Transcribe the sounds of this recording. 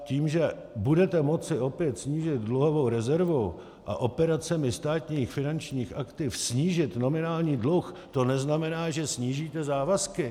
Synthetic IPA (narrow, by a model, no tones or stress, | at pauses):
ciːmʒɛ | budɛt̪ɛmo̞t͡sɪʔo̞pjɛt̪sɲiːʒɪt̪dluɦovo̞wɾɛzɛɾvow | ʔa̰ʔo̞pɛɾat͡sɛmɪst̪aːt̪ɲiːxfɪnant͡ʃɲiːxʔakt̪ɪfsɲiːʒɪt̪no̞mɪnaːlɲiːdlux | t̪o̞nɛznamɛnaːʒɛsɲiːʒiːt̪ɛzaːvaskɪ